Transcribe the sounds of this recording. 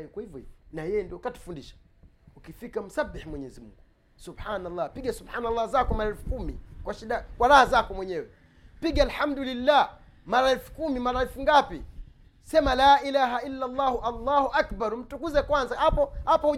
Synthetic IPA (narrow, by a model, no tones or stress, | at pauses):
kwahivjɔhivɔnajɛjɛndiɔkatu̥fundiʃḁ | ukifikam̩sabːiħmwɛɲɛzimuŋɡu | subħanalˠˤːapiɡasubħaːnalˠˤːazakɔmaɾaɛlfu̥kumḭkwaʃiɗakwaɾahazakɔmwɛɲɛwɛ | piɠaalħamdulilːaː | maɾaɛlfu̥kumimaɾaɛlfuŋɡapi | sɛmalaːʔilaːɦaʔilːalˤːaːhuʔalːaːhuʔakbaɾm̩tukuzɛkwanzahapɔhapahu